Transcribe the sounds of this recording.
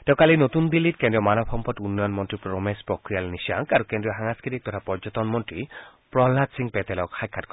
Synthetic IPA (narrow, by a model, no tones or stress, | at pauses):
t̪eʊ̃kalinot̪unbilːitkẽndɾiɔmanɔbʰɔmpɔt̪unːɔjɔnmɔntipɾɔmespɹokɾijalnisa̰ŋkaɾukendɹijɔɦaŋaskʰit̪ik̚t̪ɔtʰapɔɹd͡ʒɔt̪ɔnmɔntɹi | pɹɔɦlːatsiŋpet̪elɔkʰajkʰːatk